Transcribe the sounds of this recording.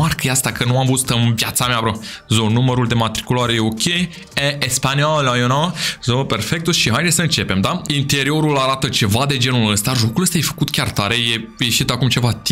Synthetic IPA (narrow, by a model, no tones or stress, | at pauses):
arkəjeast̪akənuamvuzt̪ɨnvjat̪sameavɾozonuməɾuld̪e̞mat̪ɾikulaɾe̞jeokʲʰe | eespanialajonazope̞rfek̚t̪oʃiɦajd̪esʲəɨnt͡ʃe̞pe̞md̪aint̪e̞ɾio̞ɾulaɾat̪ət͡ʃe̞vad̪e̞d͡ʒe̞nuləst̪aʒo̞kuləst̪aje̞fə̥kut̪kʲart̪aɾe̞jeje̞ʃit̪akumt͡ʃe̞vat̪i